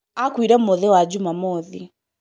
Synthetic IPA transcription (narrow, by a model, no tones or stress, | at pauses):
akwiɾɛmɔðɛwad͡ʑumamɔði